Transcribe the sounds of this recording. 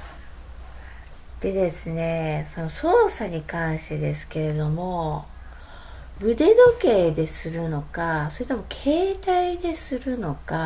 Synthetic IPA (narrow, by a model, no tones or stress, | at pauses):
d̪̥e̞d̪e̞sɨne̞so̞no̞so̞ːsaɲ̟ikãɰ̃ɕi̥t̪e̞d̪e̞sɨ̥ke̞ɾe̞d̪o̞mo̞ | bɯ̟d̪e̞d̪o̞ke̞ːd̪e̞sɨɾɯ̟no̞kaso̞ɾiet̪omo̞kʰe̞ːt̪aid̪e̞sɨɾɯ̟no̞ka